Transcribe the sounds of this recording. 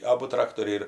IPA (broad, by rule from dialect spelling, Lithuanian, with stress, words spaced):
ˈɑːbʊ ˈtrɑːktoːrʲɛɪ ɪr